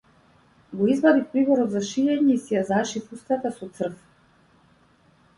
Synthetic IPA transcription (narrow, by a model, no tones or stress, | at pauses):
ɡɔizbad̪ifpɾibɔɾɔd̪zaʃiɛɲɛisɛjazaʃifust̪at̪asɔt̪sr̩f